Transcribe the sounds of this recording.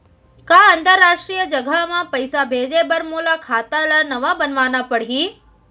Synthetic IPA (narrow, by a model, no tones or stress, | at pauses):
kaɐ̃nt̪əɾːaːʃʈɾijəd͡ʒɐɡʱamãpɐɪsabʱeːd͡ʑebɐɾmuːlakʰaːt̪alanɐʋabɐnʋaːnapɐɽ̤iː